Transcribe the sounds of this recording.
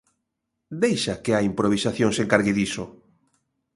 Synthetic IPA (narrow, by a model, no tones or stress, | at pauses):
d̪ejʃakeaimpɾoβ̞isaθjoŋseŋkaɾɣeðisʊ